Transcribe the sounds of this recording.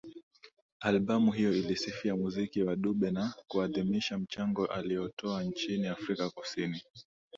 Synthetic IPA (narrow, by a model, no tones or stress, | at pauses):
alɓamuɦijɔilisifiamuzikiwaɗuɓɛnakuaðimiʃam̩t͡ʃaŋɡɔʔalijɔtɔant͡ʃiniafɾikakusini